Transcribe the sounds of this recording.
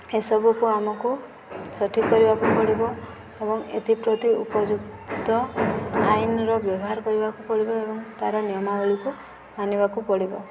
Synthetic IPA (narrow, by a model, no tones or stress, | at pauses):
esɔbʱukuamɔku | sɔʈʰikɔɾibakupɔɽibɔ | ebɔŋḛt̪ʰipɾot̪iupɔd͡ʒuɡt̪ɔajnɾɔbjɔbɔɦaɾɔkɔɾibakupɔɭibɔebɔŋt̪aɾɔnijɔmabɔɭiku | manibakupɔɽibɔ